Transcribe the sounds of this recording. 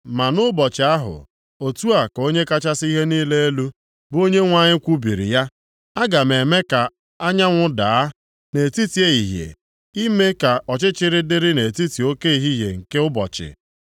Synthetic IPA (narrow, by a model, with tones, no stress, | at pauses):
ma˨nʊ˦bɔ˨t͡ʃɪ˨a˦ɦʊ̰˨ | o˨tu˦a˨ko˦ɲe˦ka˦t͡ʃa˦si˦ɦe˦niː˦le˦e˦lu˦ | bo˦ɲe˦ŋʷa˦ɲɪ˦kʷu˦bi˨ɾḭ˨ja˦ | a˦ɡa˨me˨me˦ka˨ | a˦ɲa˦ŋʷʊ˦da˨˦ | ne˨e˨ti˦ti˨˦e˦i˨ɦjḛ˨ | i˦me˦ka˨ʔɔ˨t͡ʃɪ˦t͡ʃɪ˦ɾɪ˦dɪ˦ɾɪ˦ne˨ti˦ti˨o˦ke˦i˨ɦi˦ɦje˨ŋ̩˨ke˦ʊ˦bɔ̰˨t͡ʃɪ̰˨